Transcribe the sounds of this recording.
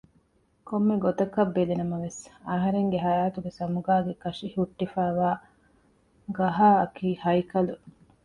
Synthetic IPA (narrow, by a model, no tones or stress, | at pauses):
komːeɡot̪ɐkːɐbːed̪enɐmɐʋesaːɦɐɾeŋɡeɦɐjaːt̪uɡesɐmuɡaːɡekɐʂihuʈːifæːʋaː | ɡɐɦaːɐkiːhɐjkɐlu